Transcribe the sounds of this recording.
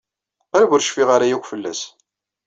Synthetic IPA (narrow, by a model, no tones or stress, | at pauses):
æɾwʊɾʃfiʁaɾajiwfəlːæ̰s